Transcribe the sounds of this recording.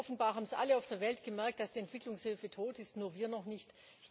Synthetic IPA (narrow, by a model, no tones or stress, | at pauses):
ɔfn̩baːɐɦaːbm̩sʔa̰ləaʊfd̥eːɐvɛltɡ̥əmɛɐk̚t̚d̥asd̥iːɛntv̥ɪklʊŋshɪlfətʰoːtɪstnuːɐviːɐnɔχnɪçt